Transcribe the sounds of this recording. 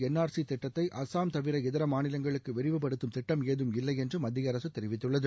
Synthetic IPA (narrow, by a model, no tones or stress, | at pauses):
ɛnːaːɾsit̪ɪʈːɐt̪ːɐɪʔɐsaːmt̪ɐʋɪɾɐɛðɪɾɐmaːnɪlɐŋɡɐɭɯkːɯʋɪɾɪʋɯpːɐɽɯt̪ːɯmt̪ɪʈːɐmeːðɯmɪlːɐɪɛndrɯmɐd̪ːɪjɐɾɐsɯt̪ːɛɾɪʋɪt̪ːɯɭːɐðɯ